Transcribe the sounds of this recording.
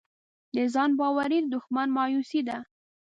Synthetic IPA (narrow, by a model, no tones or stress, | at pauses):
d̪əzɑnbɑwaɾid̪ʊxmanmɑjusid̪a